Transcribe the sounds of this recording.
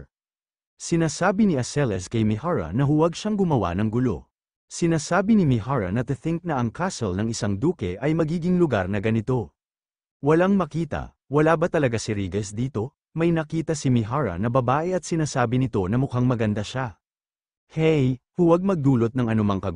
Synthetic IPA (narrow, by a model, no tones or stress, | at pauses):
sɪnaːsaːbɪnɪʔɐsɛlɛskɐjmɪhaɹɐ̰nɐɦʊwɐɡʃaŋɡʊmɐwa̰nɐŋɡʊlo̞̰ | sɪnaːsaːbɪnɪmɪhaɹɐ̰nɐt̪ɨθɪŋk̚nɐʔɐŋkʰasolnɐŋɪsaŋd̪uːkɛʔɐjmɐɡiːɡɪŋlʊɡaɾnɐɡɐnɪt̪o̞ | wɐlaŋmɐkiːt̪ɐ̰ | wɐlaːbɐt̪ɐlɐɡasɪɾiːɡɛsd̪iːt̪o̞ | mɐjnɐkiːt̪ɐsɪmɪɦaɹɐ̰nɐbɐbaːʔɛɐt̪̚sɪnaːsaːbɪnɪt̪o̞nɐmʊkaŋmɐɡɐnd̪aʃa | hɛjhʊwaɡ̚mɐɡ̚d̪uːlot̪̚nɐŋɐnʊmɐŋkɐɡ